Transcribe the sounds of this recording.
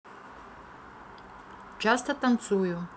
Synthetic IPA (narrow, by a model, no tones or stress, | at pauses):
d͡ʒast̪ʰat̪ant͡sʼujo